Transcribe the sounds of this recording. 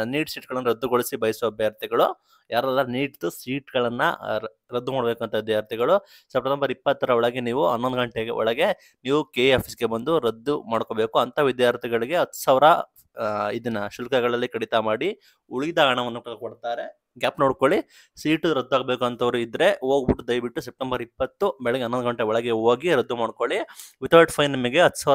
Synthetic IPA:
niːʈsiːʈɡɐɭɐnːɐɾɐd̪ːuɡoɭisibɐjsuʋɐbʱjaːɾt̪ʰiɡɐɭu | jaːɾɛlːaniːʈt̪usiːʈɡɐɭɐnːɐ̰ | ɾɐd̪ːumaːɽɐbe̞ːkuɐnt̪ʰɐʋid̪jaːɾt̪ʰiɡɐɭu | sɐpɾɐt̪ɐmbɐɾipːɐt̪ːɐɾɐɔɭɐɡeniːʋuɐ̰nːond̪ɡɐɳʈeɡḛɔ̰ɭɐɡe̞ | niːʋukeːaːpʰisɡe̞bɐnd̪uɾɐd̪ːumaːɽkoːbeːkuɐnt̪ʰaʋid̪jaːɾt̪ʰiɡɐɭiɡe̞ɦɐt̪ːu̥saːʋɾɐ | id̪inːɐʃulkɐɡɐɭɐlːikɐɽit̪ɐmaːɽi | uɭiid̪ɐaːɳɐʋɐnːukkoɽt̪aːɾe̞ | ɡʲaːpno̞ːɽkoɭi | siːʈuɾɐd̪ːuaːɡbeːkuɐnt̪ʰɐʋɐɾuid̪ɾe̞oːɡbiʈːud̪ɐjʋiʈːusep̚ʈembɐɾipːɐt̪ːubɛɭɛɡeɐnːond̪uɡɐɳʈeɔɭɐɡeoːɡiɾɐd̪ːumaːɽko̞ɭiʋit̪ɐɾɖpʰɐjnɐmɐɡe̞ɦɐt̪ʰːsaːʋ

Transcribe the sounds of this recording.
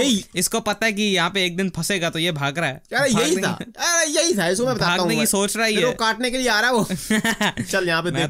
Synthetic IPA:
ɦeiɪskopɐt̪aɛk̬ijɐɦãpeeːk̚d̪ɪnpʰɐseːɡat̪ojebʱaːɡɾaɦɛːɐɾejɐɦitʰa̰ɾejɐɦit̪ʰaɪskomɛ̃bɐtb̪aːaːɡ̪aɦnekisoːt͡ʃɾaɦiɦɛɾokaːʈnekelieaːɾaɦɛʋoː | t͡ʃɐljɐɦãpeme

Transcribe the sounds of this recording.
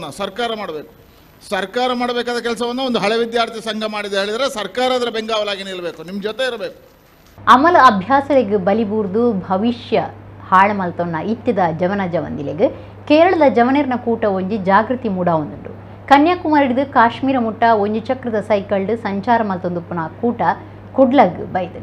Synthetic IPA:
nːɐsɐɾkaːɾɐmaːɽbeːku̥ | sɐɾkaːɾɐmaːɽbeːkaːd̪ɐkɛlsɐʋɐnːɐond̪uɦɐɭɛʋid̪jaːɾt̪ʰisɐŋɡʱɐmaːɽid̪ɐɦeːɭid̪aɾesɐɾkaːɾaːd̪ɐɾebeŋɡaːʋɐlaːɡeniːɭɐbeːkunimd͡ʒɔt̪eiɾbeːku̥ | ɐmɐlɐɐbʱjaːsɐleɡɨbɐlibuːɾd̪ubʱɐʋiʃjɐhaːɭɐmɐlt̪onːɐit̪ːɐd̪ɐd͡ʒɐʋɐnɐd͡ʒɐʋɐ̰nd̪ileɡɨ | keːɾɐɭɐd̪ɐd͡ʒɐʋɐneɾinɐkuːʈɐoɲd͡ʒud͡ʒaːɡɾut̪imuɽaːʋond̪und̪ṵ | kɐnjaːkumaːɾiɽid̪ukaːʃmiːɾɐmuʈːɐoɲd͡ʒut͡ʃɐkɾɐd̪ɐsɐjkɐɭɖɨsɐɲt͡ʃaːɾɐmɐlt̪ond̪upunɐkuːʈɐ | kuɖlɐːɡɨ̰bɐjt̪ɐɾ

